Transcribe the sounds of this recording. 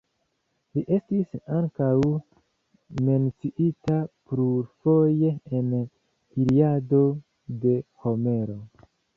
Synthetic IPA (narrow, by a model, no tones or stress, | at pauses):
liʔe̞stisaŋkaw | me̞nt͡siʔitapɾuɾfo̞jeen | hiɾiado̞ | de̞ho̞me̞ɾo̞